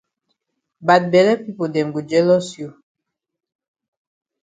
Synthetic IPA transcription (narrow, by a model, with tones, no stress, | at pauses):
ba˨t̚bɛ˨lɛ˦pi˦po˨dɛ̃˨mɡu˨d͡ʒɛ˦lɔ˦sju˨